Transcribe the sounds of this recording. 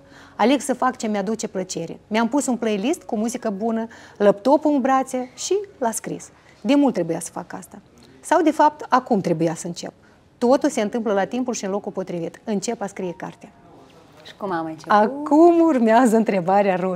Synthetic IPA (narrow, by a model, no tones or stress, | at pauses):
ale̞ɡsəfakt͡ʃe̞mead̪ut͡ʃe̞plət͡ʃe̞ɾḛmeampusunplejlist̪kumuzikəbunələp̚t̪o̞pumbɾat̪seʃilaskɾḭs | d̪e̞mult̪ːɾe̞bujasə̥faka̰st̪a | sawd̪e̞fap̚t̪akumt̪ɾe̞bujasəɨnt͡ʃe̞̰p̚ | t̪o̞t̪ulse̞ɨnt̪ɨmpləlat̪impulʃiɨnlo̞kulpo̞t̪ɾivit̪ɨnt͡ʃe̞paskɾijeka̰rt̪ea | ʃi̥kumamat͡ʃakumurmeazəɨnt̪ɾe̞baɾearo